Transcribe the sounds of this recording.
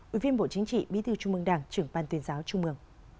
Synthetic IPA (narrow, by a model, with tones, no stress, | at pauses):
ʔʔi˧˩vi˧ənɓo̰˧˨t͡ɕï˨˦ŋ̟t͡ɕḭ˧˨ɓḭ˧˥t̪ɨ˧˩t͡ɕʊ˧ŋ͡mmɨ˧ŋɗaː˧˩ŋt͡ɕɨ˧˩əŋɓaː˧nt̪wi˨˦ənzaː˨˦wt͡ɕʊ˧ŋ͡mmɨ˧˩əŋ